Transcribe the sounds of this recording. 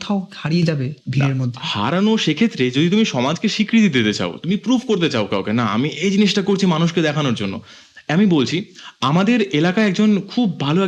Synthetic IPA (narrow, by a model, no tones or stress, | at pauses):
t̪ʰaohaɽied͡ʑabebʱiɾeɾmod̪ʱːeha̰ɾanoʃekʰet̪ːɾed͡ʑod̪it̪umiʃɔmad͡ʑkeʃikɾit̪id̪it̪et͡ɕa̰o̰t̪umipɾubʰʱkoɾt̪̬et͡ɕaokawkenaa̰miʔejd͡ʑiniʃʈakoɾt͡ɕʰimanuʃked̪ɛkʰanoɾd͡ʑonːo̰ | amibolt͡ɕʰiamad̪eɾelakaeɛkd͡ʑonkʰubːʱaloɛ